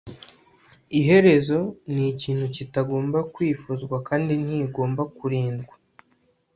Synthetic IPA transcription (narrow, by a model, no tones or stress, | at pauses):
iɦe̞ɾe̞zo̞niciːn̥hucitaɡo̞ːmbakwiːfuzɡwakaːndin̥hiːɡo̞ːmbakuɾiːndɡwa